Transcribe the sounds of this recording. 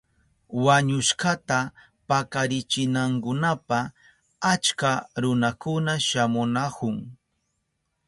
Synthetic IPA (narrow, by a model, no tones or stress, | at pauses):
waɲʊʃkat̪a | pakaɾɪt͡ʃɪnaŋkʊnapa | at͡ʃkaɾʊnakʊnaʃamʊnakʊŋ